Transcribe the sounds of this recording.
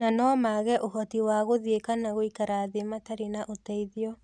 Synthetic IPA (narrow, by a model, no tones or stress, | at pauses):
nanɔmaɣɛʔoɦɔtiwaɣoðiekanaɣoikaɾaðemataɾenaʔotaiðiɔ